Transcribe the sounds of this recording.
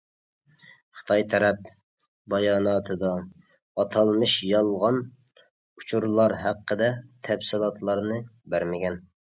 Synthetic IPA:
χə̥t̪ʰɑjt̪ʰɛɾɛp̚ | bɑjɑːnɑːt̪ʰɨd̪ɑː | t̪ʰɑlˠmɨʃjɑlˠʁɑn | ut͡ʃʰuɾlˠɑɾɦæqːəd̪ɛt̪ʰɛbsɨlˠɑt̪ʰlˠɑɾnɨbæɾmɪɡʲɛn

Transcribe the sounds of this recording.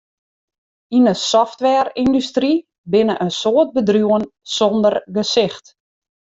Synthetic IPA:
inəsɔftʋɛːrindystri | bɪnəʔənsoːət̚bədrjuənsɔndərɡəsɪxt

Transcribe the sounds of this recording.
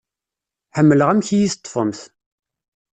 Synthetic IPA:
ħəmːələʁæmçijiθt̪ˤːfəmθ

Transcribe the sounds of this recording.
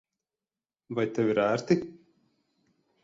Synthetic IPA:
vajt̪ʲɛvʲɪɾæːɾt̪i

